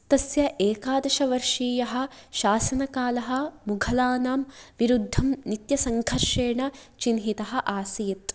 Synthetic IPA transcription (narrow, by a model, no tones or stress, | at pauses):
t̪ɐsjɐʔeːkaːd̪ɐʃɐʋɐɾʂiːjɐɦɐ̆ʃaːsɐnɐkaːlɐɦɐ̆muɡʱɐlaːnaːmʋiɾud̪ʱːɐmnit̪jɐsɐŋɡʱɐɾʂeːɳɐt͡ʃinɦit̪ɐɦɐ̆ʔaːsijit̪